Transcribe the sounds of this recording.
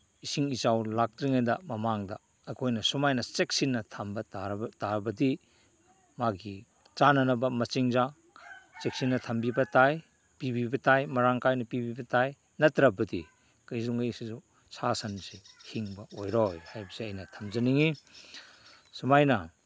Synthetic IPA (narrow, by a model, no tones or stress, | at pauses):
isiŋizawlak̚tɾiŋajdɐmɐmaŋdɐ̰ | ɐkʰojnɐsumajnɐt͡ʃek̚sinːɐtʰambɐtaɾtaɾbɐdi | maɡi | t͡ʃanɐnɐbɐmɐt͡ʃiŋza | t͡ʃek̚sinːɐtʰɐmbibɐtaj | pibibɐtajmɐɾaŋkajnɐpibibɐtaj | nɐtɾɐbɐdḭ | kɐjzuŋɡɐjsizu | sʰasansehiŋbɐʔojɾɔjhajbɐseɐjnɐtʰɐmzɐniŋi | sumajnɐ